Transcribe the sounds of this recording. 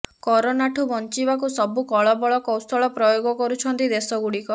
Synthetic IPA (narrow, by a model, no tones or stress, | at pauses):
kɔɾɔnaʈʰubɔnt͡ʃibakusɔbukɔɭɔbɔɭɔkɔwst̪ʰɔɭɔpɾɔjoɡɔkɔɾut͡ʃʰɔnt̪id̪esɔɡuɽikɔ